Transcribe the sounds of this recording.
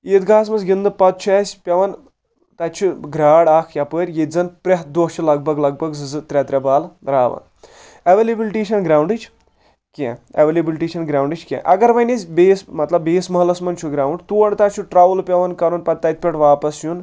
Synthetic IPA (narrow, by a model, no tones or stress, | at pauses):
iːt̪ɡaːs̬mɐnzɡʲind̪ɨpɐt̪̚t͡ʃʰɐːsʲpʲɐʋɐn | t̪ɐt̪t͡ʃʰuɡɾaːɽaːkʰjapəːɾʲjezɐnpɾʲɐɦ̪d̪ot͡ʃʰulɐɡ̚bʱɐɡlɐɡ̚bɐɡzɨzɨt̪ɾʲɐt̪ɾʲɐbaːlɾaːʋɐ̰n | ɐʋelʲibilʈiːʃɐnɡɾaːwɳɖɨt͡ʃʰ | kʲḛ̃ɐʋelʲibilʈiːʃɐnɡɾaːwɳɖɨt͡ʃʰkʲḛ̃ʔɐɡɐɾʋɐnʲɐzʲbeːsmɐt̪lɐbːeːsmɐɦlɐsmɐnt͡ʃʰuɡɾaːwɳɖt̪uɐɳt̪at͡ʃʰuʈɾaːʋlpʲɐʋɐnkɐɾunpɐt̪̚ːɐt̪̚ʲpʲɐʈʋaːpɐsjun